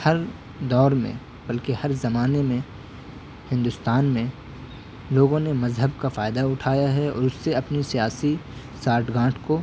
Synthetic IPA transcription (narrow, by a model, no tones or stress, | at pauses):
hɐɾ | d̪ɔːɾmḛ̃ | b̥ɐlkehɐɾzɐmaːnemẽ | hɪ̃nd̪ʊst̪aːnmẽ | loːɡõnemɐzɦəbkafaːɪd̪aʊʈʰaːjaɦɛɔ̰ːɾʊsːeɐpnisijaːsi | saːɾʈɡãːʈʰko